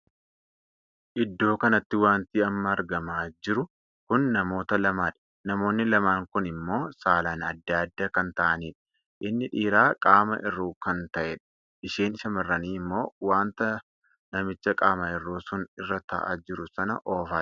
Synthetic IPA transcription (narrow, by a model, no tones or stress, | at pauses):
ʔɪd̪ːo̞ːkɐnɐt̪ːɪwaːnt̪iɐmːɐːɾɡɐmaːd͡ʒɪɾʊ | kʊnːɐmo̞ːt̪ɐlɐmaːᶑɐ̥ | nɐmo̞ːnːɪlɐmaːŋkʊnɪmːo̞ːsaːlaːnɐd̪ːaːd̪ːaːkɐnt̪ɐʔɐniːᶑɐ̥ | ʔɪnːɪᶑiːɾaːkʼaːmɐ̰ʔɪrːuːkɐnt̪ɐʔɛᶑɐ̥ | ɪʃeːnʃɐmɐrːɐniːɪmːo̞ːwaːnt̪ɐ | nɐmɪt͡ʃːɐkʼaːmɐɪrːoːsʊnɪrːɐt̪ɐ̰ʔa̰ːd͡ʒɪɾʊsɐnɐ̰ʔoːfaː